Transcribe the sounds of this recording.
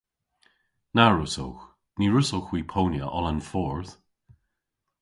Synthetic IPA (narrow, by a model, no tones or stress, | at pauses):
naɹʊso̰wx | niɹʊsowxwiːpʰownjə̰ʔɔlənfɔɹθ